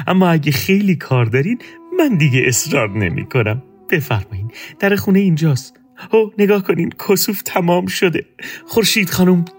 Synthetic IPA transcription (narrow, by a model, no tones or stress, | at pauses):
ʔæ̰mːɒːæɟexe̞jliːkʰɒːɾd̪ɒːɾiːd̪mænd̪iɡeʔesɾɒːɾne̞̰mḭːkʰo̞næm | b̥e̞fæɾmɒːiːnd̪̥æɾexuːneind͡ʒɒːs | hone̞ɡɒːhkʰo̞niːmkʰosuːft̪ʰæmɒːmʃo̞d̪e̞xoɾʃiːd̪̥χɒːnuːm